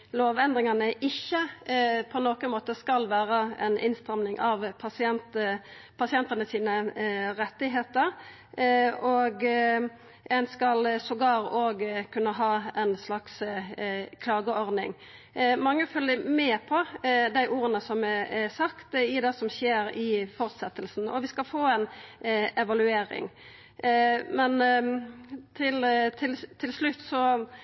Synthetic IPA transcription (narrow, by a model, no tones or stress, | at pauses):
loːʋɛnd̪ʁɪŋɑnəʔɪçːəpʰɔnoːkənmoːt̪əskɑlʋæːʁəɛ̰nʔɪ̰nst̪ɾɑmnɪŋʔɑʋpʰɑsɪɛnt̪ə | pʰɑsɪɛnt̪ɑnəsiːnəɾɛt̪ːɪɦeːt̪əɾ | oɡ | ɛnskɑlsɔɡɑːɾoːɡkʰʉnːəɦɑːɛnslɑks | kʰlɑːɡəɔʁd̪nɪ̰ŋ | mɑŋːəfœlːəmɛːpʰɔd̪æɪʔuːɾənəsɔmɛɛsɑkt̪ɪd̪ɛsɔmɕeːɾɪfɔʁt̪sɛt̪ːəlsn̩ɔʋɪskɑlfoːɛn | ɛʋɑlʉeːɾɪ̰ŋ | mɛn | t̪ʰɪlt̪ʰɪlt̪ʰːɪlslʉt̪ːsɔ